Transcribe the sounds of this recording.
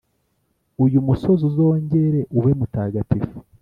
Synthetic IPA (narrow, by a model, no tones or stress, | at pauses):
ujumuso̞zuzo̞ːɲɟe̞ɾe̞ʔuwe̞mutaːɡatifu̥